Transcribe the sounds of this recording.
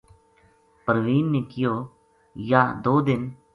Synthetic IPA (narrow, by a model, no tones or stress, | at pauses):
pəɾʋiːnːeːkɪjoː | jaːd̪oːd̪ɪn